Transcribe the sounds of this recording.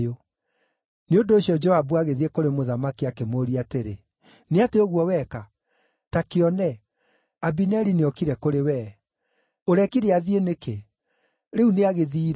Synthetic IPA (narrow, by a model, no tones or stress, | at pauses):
jo | neondoːɕjɔd͡ʒɔabuaɣeðiekoɾemoðamakiakemoːɾiateɾe | neateoɣwɔwɛka | takeɔnɛ | abinɛɾineɔkiɾɛkoɾewɛː | oɾɛkiɾeaðieneke | ɾeuneaɣeðiːɾ